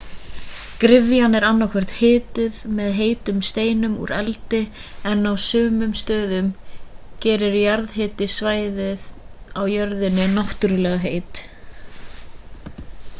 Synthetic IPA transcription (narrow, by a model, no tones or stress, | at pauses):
kɾɪvjanɛɾanːawkʰvɛr̥t̪hɪːt̪ʏðmɛðɦeːjt̪ʏmst̪eːjnʏmṵɾɛlt̪ɪɛnːawsʏːmʏmst̪œːðʏmcɛːɾɪɾjaɾðhɪːt̪ɪsvaːjðɪðawjœɾðɪnːɪnaht̪ʏɾʏlɛːɣaɦeːjt̪